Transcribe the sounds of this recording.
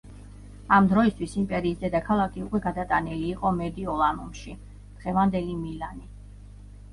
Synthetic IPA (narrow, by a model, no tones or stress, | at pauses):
amd̪ɾɔist̪ʰwisimpʼɛɾiːsd̪ɛd̪akʰalˠakʰiukʼwɛɡad̪at̪ʼaniliːqʼɔmɛd̪iɔlˠanumʃi | d̪̥ʁɛvand̪ɛlimilani